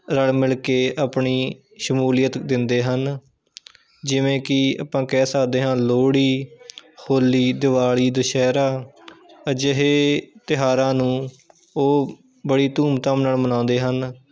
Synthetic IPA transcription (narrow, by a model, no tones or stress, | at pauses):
ɾəɽmɪlkeːaːpɳiː | ʃəmuːlɪjət̪d̪ɪnd̪eːɦən | d͡ʒɪʋẽːkɪa̰ːpãːkɛːsaːd̪eːɦãːloːɽiːhʰoːlːiːd̪ɪʋaːɭiːd̪əʃɛːɾaː | əd͡ʒəɦeːt̪ɪɦaːɾãːnũː | oː | bəɽiːt̪uːmt̪ãːmnəɭmənãːnd̪eːɦən